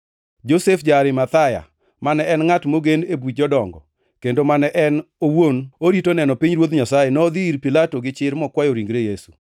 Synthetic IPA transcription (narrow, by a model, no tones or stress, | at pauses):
d͡ʒosefd͡ʒaɾɪmat̪aja̰ | manɛɛnŋatmoɡenebid͡ʒɔdɔŋɡɔ | kendomanɛʔɛnowonoɾitonɛnɔpiɲɾwod̪ɲasajenɔːd̪iɾpilatoɡɪt͡ʃɪɾmɔkwajoɾiŋɡɾejesṵ